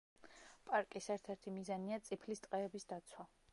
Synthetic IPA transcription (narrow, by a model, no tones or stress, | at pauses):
pʼaɾkʼisɛɾt̪ʰɛɾt̪ʰimizaniat̪sʼipʰlist̪ʼqʼɛːbisd̪at̪sʰwa